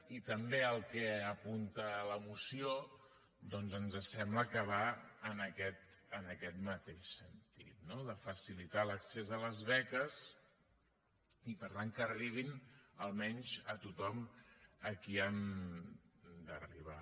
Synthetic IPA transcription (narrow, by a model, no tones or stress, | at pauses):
it̪əmbeəlˠkɛəpunt̪ələmusio | d̪ɔnzənzəsɛmbləkəβ̞aənəkɛt̪ənəkɛt̪mət̪eʃsənt̪ḭt̪̚noðəfəsilit̪aləksezələzβɛkəs | ipəɾt̪aŋkəːriβ̞inəlˠmɛɲʲzət̪ut̪ɔməkiən | d̪ərḭβ̞a